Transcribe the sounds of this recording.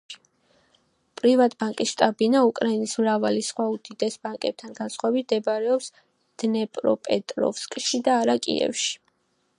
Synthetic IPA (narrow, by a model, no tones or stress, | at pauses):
pʼɾivat̪ʰʼbaŋkʼisʃt̪ʼabinaukʼɾainismɾavalisχwaud̪̥id̪ɛsbaŋkʼɛb̥̚t̪ʰanɡansχwaɛbit̪̚d̪ɛbaɾɛɔps | d̪̥nɛpʼɾɔ̰pʼɛt̪ʼɾɔ̰fskʼʃid̪aːɾakʼḭɛ̰fʃi̥